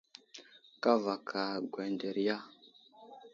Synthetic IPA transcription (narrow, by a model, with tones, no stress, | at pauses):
ka˦va˨kʰa˨ɡwe˨nde˨ɾja˦